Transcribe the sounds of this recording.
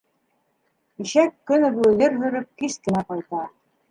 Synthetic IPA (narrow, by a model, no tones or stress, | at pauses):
iʃækːɵnɘ̆βʉðɘɾɦɵ̆ɾɘp̚kiskɘ̆næqɑjt̪ɑ